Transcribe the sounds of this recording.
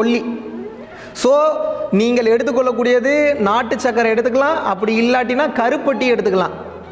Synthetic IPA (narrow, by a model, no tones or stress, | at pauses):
ɔɭːi | soːniːŋɡɐɭɛɽɯt̪̬ːɯkːɔɭːɐk̬ːuːɽɪjɐðɯnaːʈːɯt͡ʃːɐkːɐɾɐ̃ɛɽɯt̪ːɯkːɐlãːʔɐpːɐɽiɪlːaːʈ̬ːinaːkɐɾɯpːɐʈːiɛɽɯt̪ːɯkːɐlã̰ː